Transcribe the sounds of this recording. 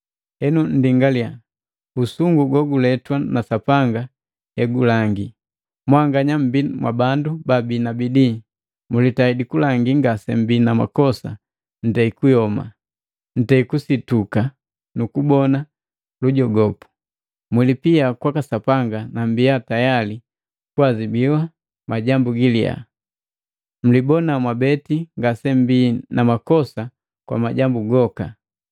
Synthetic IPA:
hɛnun̩diŋɡalia | usuŋɡuɡɔɡulɛtwanasapaŋɡa | ɛɡulaŋɡi | mwaŋɡaɲam̩bimwa̰bandubabinabidi | mulitaidikulaŋɡiŋɡasɛm̩binama̰kɔsa̰ | n̩tɛikujɔma̰ | n̩tɛikusituka | nukubɔna | luɟɔɡɔpu̥ | mwilipiakwakasapaŋɡanambijatajali | kuazibiwa | maɟambuɡilija̰ | m̩libɔnamwabɛtiŋɡasɛmbinamakɔsa | kwa̰maɟambuɡɔka

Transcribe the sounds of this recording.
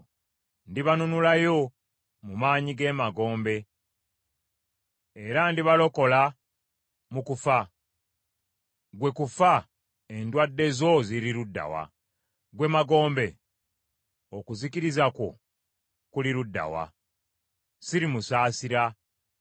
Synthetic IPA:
ndiβanunulajo̞ | mumaːɲiɡe̞maɡo̞ːmbe̞ | ɾandiβalo̞ko̞la | mukufa | ɡwe̞kufa | e̞ndwadːe̞zo̞ziɾiɾudːa̰wa̰ | ɡwe̞maɡo̞ːmbe̞ | okuzikiɾizakwo̞̰ | kuliɾudːa̰wa̰ | siɾimusaːsiɾa

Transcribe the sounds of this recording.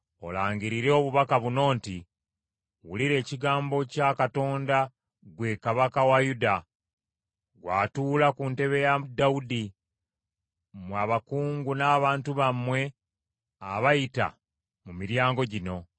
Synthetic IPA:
o̞̰laːɲɟiɾiɾeoβuβakaβuno̞ːnti | wuliɾe̞ːciɡaːmbo̞cakato̞ːnda | ɡwe̞kaβakawajuda | ɡwaːtuːlakunte̞βe̞jadaudi | mwaβakuːŋɡunaːβaːntuβamːwe̞ | aβajita̰ | mumiɾjaːŋɡo̞ɟino̞

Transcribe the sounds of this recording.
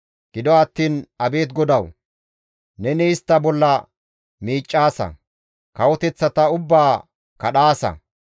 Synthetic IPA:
ɡ̥ɪd̪ɔɐt̪ːiːnɐbe̞ːt̪ɡɔd̪ɐw | nɛnɛɪst̪ːɐbɔlːɐ | miːt͡ʃʼːaːsɐ̰ | kɐwɔt̪ɛt͡sːɐt̪ɐʊbːaː | kɐɗaːsɐ̰

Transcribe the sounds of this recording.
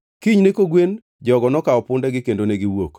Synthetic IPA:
kiɲnekoɡwen | d͡ʒɔɡɔnɔkaɔpʊndɛɡɪkendoneɡɪwok

